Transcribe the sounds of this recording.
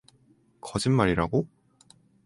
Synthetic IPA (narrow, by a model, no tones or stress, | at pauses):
kʰʌd͡ʑinmaɾiɾa̰ɡo